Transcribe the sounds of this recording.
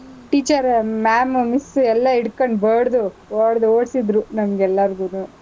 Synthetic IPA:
ʈiːt͡ʃɐɾmaːmmisɛlːɐiɽkoɳɖbɐɽd̪u | oːɽd̪uoːɽsid̪ɾunɐmɐɡɛlːɐɾɡunuː

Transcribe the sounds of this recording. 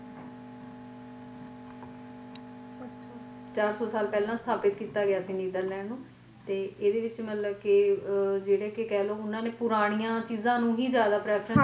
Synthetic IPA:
t͡ʃaːɾsɔːsaːlpɛːlãːst̪ʰaːpɪt̪̚kiːt̪aːɡɪaːsĩːniːd̪əɾlɛ̃ːnũː | t̪eːeːd̪eːʋɪt͡ʃmət̪ləbkɪd͡ʒeːɽeːkɪkɛːloːʊnãːneːpʊɾaːɽ̃ijãːt͡ʃiːzãːnũːɦiːzjaːd̪aːpɾɛːpʰɾə̃n

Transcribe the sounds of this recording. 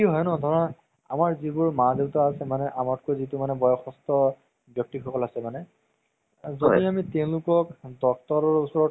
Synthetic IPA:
kiɦɔjnɔdʱɔɹɔn | a̰maɹzibʊɹmazebtɔasɛmanɛʔamatkojzitumanɛbɔjɔxɔstɔ | bjɔk̚tixɔkɔlasɛmanɛ | zodiamitɛʊ̃lʊkɔkdɔk̚tɔɹɔɹusɔɹɔt

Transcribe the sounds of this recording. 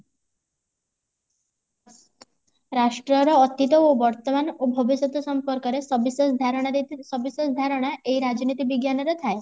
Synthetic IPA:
ɾaʂʈɾɔɾɔːt̪it̪ɔobɔɾt̪ɔmanobʱɔbisɔt̪ɔsɔmpɔɾkɔɾesɔbisɔsd̪ʱaɾɔɽ̃aisɔbisɔsd̪ʱaɾɔɽ̃aʔeiɾad͡ʒnit̪ibiɡjanɔɾɔt̪ʰae

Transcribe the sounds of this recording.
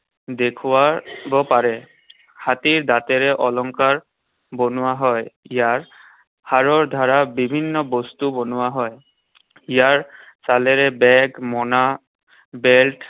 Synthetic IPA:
dekʰʊwabɔpaɹɛ | hatiɹdatɛɹɛʔɔlɔŋkaɹ | bonʊwaɦɔjijaɹ | haɹɔɹd̪ʱaɹabibʱinːɔbɔstubɔnʊwaɦɔj | ijaɹsalɛɹɛbɛɡmɔna | beltʰ

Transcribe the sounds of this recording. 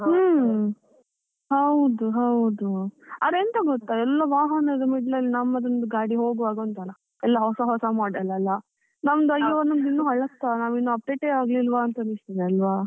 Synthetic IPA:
hɐwd̪uɦɐwd̪uɐ̰dɾeːnt̪ɐɡɔt̪ːaɛlːɐʋaːɦɐnɐd̪ɐmiɖlɐlːinɐmːɐd̪ɾond̪ɐɡaːɽiɦoːɡʋaːɡɐɐnt̪alɐ | ɛlːɐɦɔsɐɦɔsɐmaːɽɐlɐɐlːɐ | nɐmɐd̪ɐjːɐʋɐnːɐnd̪inːuːɦɐɭːɐt̪ːanaːʋinːuɐp̚ɖeːʈeaːɡlilʋaːnt̪ɐnist̪id̪eɐlʋa

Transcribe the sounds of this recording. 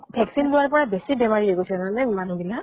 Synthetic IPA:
bʱɛksinlʊwaɹpɔɹabesibɛmaɹieɡosɛmanɛmanũbila

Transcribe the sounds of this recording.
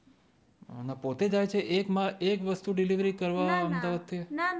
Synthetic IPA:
napot̪ed͡ʒajt͡ʃʰeʔekmãekʋəst̪uɖiliʋɾikəɾʋaəmd̪aʋad̪̚t̪ʰi

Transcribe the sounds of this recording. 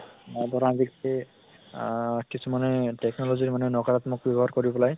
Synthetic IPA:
bɔɾãzikte | kisumanɛtɛknɔlɔziɹmanɛnɔkaɹat̪mʊk̚bjɔbɔɦaɹkoɹibpɔlaj

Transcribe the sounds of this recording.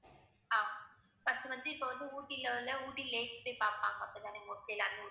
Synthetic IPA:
aːma | pɐsɯʋɐnd̪ɯɪpːoʋɐnd̪ɯuːʈːilɐlɐuːʈːileːkpejpaːɾpaːŋɡɐɐpːɐɽt̪aːnemoːskelaːnuː

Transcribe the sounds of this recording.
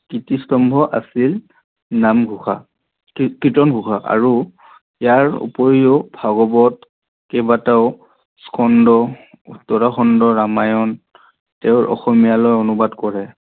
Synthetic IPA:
kitistɔmbʱɔʔasil | namɡʱuxʰa̰ | kɹitɔnɡʱuxʰaʔa̰ɹu | jaɹṵpɔɹiɔbʱaɡɔbɔt̚ | kɛbataʊ | skʰɔndɔ | tɔɹaxɔndɔɹamajɔn | tɛʊɹʔɔ̰xɔmijalɔjɔnubadkɔɹɛ

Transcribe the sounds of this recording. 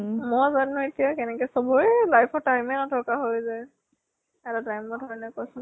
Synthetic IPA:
mɔzannɔetijakɛnɛkɛsɔbɔjlajpʰɔtajmɛnatʰɔkaɦojzaj | ɛtatajmːɔdʱɔɹnɔkɔsʊn

